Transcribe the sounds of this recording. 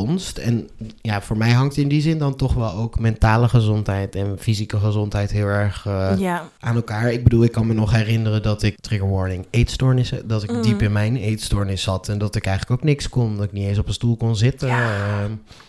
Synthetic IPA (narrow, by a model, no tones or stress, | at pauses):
nstɛnjaːv̥ʊːɹmɛjɦɑŋtɪndizɪndɑntɔχʋɛlˠowkmɛntaːləχəzɔntɦɛjtɛnfizikəχəzɔntɦɛjtɦɪːlˠɛɹχ | ʔaːnɛlˠkaːɹɪɡ̚bədulˠɪkːɑnmənɔχɦɛrɪnərəndɑtɪktrɪɡəɹʋɔɹnɪŋejtstɔɹnɪsdɑtɪkdipɪnmɛjnejtstɔɹnɪsɑtɛndɑtɪkɛjχələkowknɪkskɔndɔtɪk̚nitens̬ɔpənstulˠkɔnzɪtə